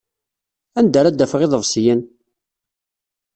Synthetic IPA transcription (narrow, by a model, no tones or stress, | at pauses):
ænd̪æɾæd̪ːæfəʁɪðˤəvsjən